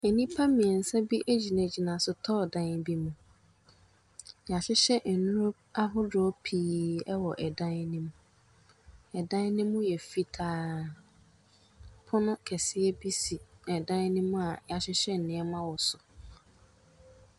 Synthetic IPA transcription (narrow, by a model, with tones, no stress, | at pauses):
ɛ˨nĩ˦pʰa˦mĩ˨ɛ˨n̩˨sa˦bi˦ʔæ˦d͡ʑi˨nã˨d͡ʑi˨nã˨sʊ˨tʰɔ˦˨dã˦nbi˦mũ˨ | ja˨ɕɪ˦ɕɛ˦n̩˨nʊ̃˦ɾo˦b̚a˦ɦʊ˦dʊ˨˦ɔ˦pʰiː˦ɛ˦wɔ˨ʔɛ˨dã˦nnĩ˦m˦ | ɛ˨dã˦n˦nɪ̃˦mːʊ̃˦jɛ˨fi˦tʰaː˦ | pʰʊ˦nʊ̃˦kʰɛ˨sɪ˦ɛ˦bi˦si˨ɛ˨dã˦n˦nɪ̃˦m̃˦a˨ja˨ɕɪ˦ɕɛ˦n̩˨nɪ̃˦ɛ˦mã˦wɔ˨sʊ˨